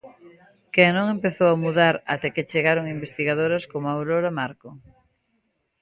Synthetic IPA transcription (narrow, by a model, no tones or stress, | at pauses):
keŋnõŋempeθowamuðaɾa̰t̪ɛket͡ʃeɣaɾoŋimbest̪iɣaðoɾɐskomawɾoɾamaɾko